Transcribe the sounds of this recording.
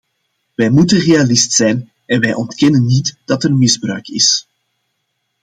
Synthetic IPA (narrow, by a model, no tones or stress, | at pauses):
ʋɛjmutənrealɪstsɛjn | ɛnʋɛjʔɔntkɛnənːitd̥ɑtərmɪzbrœ̰ɥkɪ̰s